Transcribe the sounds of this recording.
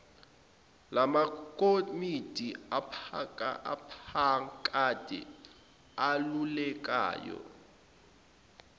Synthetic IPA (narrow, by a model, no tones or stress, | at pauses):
lamakʼomid̥ʱiapkaapʰakʼad̥ʱɛ̰ | alulɛk̬ʼa̰ːjɔ̰